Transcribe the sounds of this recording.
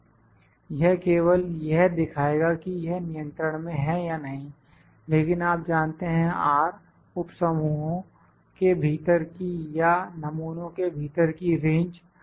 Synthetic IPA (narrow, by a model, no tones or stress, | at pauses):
jɛɦkeːwəljɛɦd̪ɪkʰaːeːɡakijɛɦnɪjə̃nt̪ɾəɽ̃mẽɦɛ̃janɐɦĩ | leːkɪnaːp̚d͡ʒaːnt̪eɦɛ̃aːɾ | ʊpsəmuːɦõ | kebʱiːt̪əɾkijanɐmuːnõkebʱiːt̪əɾkiɾẽːɲd͡ʒ